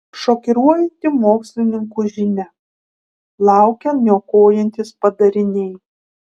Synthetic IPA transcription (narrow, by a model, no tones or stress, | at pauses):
ʃoːkʲɪɾuɔjɛnʲt̪ʲɪmoːksʲlʲɪnʲɪŋkuʒʲɪnʲɛ | lˠɑˑʊkʲɛnʲoːkoːjɛnʲt̪ʲɪspɐd̪ɐɾʲɪnʲɛɪ